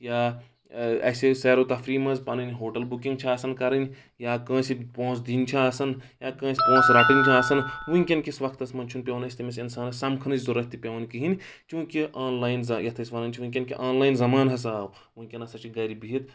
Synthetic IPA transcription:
jaː | ɐ̰sesɛːɾoːt̪ɐfɾiːmɐzpɐnɐnɦoːʈɐlbukĩŋɡ̚t͡ʃʰaːsɐnkɐɾɐnʲ | jaːkɐ̃ːsipõːsd̪int͡ʃʰaaːsɐnjaːkɐ̃ːsipõːsɾɐʈint͡ʃʰaːsɐnʋuiŋkʲɐnkʲisʋɐkʰt̪ɐsmɐnt͡ʃʰunpʲjeʋnɐsʲt̪imɐsʲinsaːnɐsɐmkʰɐnɐd͡ʒʲzuɾɐt̪ːipjɐːnkiɦin | t͡ʃũːkiʔaːnlaːjnzɐjɐt̪ʰɐsʋɐnɐnʲt͡ʃʰiʋĩkʲɐnkḭʔaːnlaːjnzɐmaːnɦɐs̬aːw | ʋĩkʲɐnɐsɐt͡ʃiɡɐɾibiɦit̪ʰ

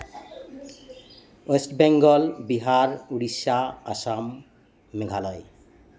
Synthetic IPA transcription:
esʈbɛŋɡɔlbiɦaɾuɽiʃaasamː | eɡʱalɔj

